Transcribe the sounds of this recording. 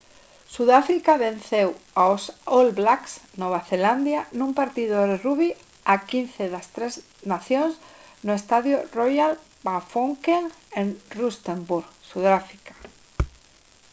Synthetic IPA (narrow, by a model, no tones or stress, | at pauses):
suðafɾikaβẽn̟θewawsolblaksnɔβ̞aθeland̪janũmpaɾt̪iðoðeruβi | akinθeðɐst̪ɾez | naθjons | nʊest̪aðjʊrojal | pafoŋkeŋenrust̪embuɾɣsuðafɾikḁ